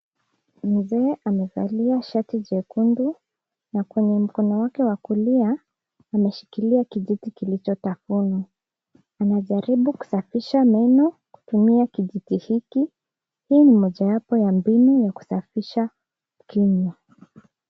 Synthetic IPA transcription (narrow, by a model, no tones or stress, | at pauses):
m̩zɛːʔamɛza̰liaʃatiʄɛkundu | nakwɛɲɛm̩kɔnɔwakɛwakuliaː | mɛʃi̥kiliakiʄitikilit͡ʃɔtafunu | anaʄaɾiɓuku̥safiʃamɛnɔku̥tumiakiʄitihiki | hiːnimɔʄawapɔjambinujaku̥safiʃa | kiɲa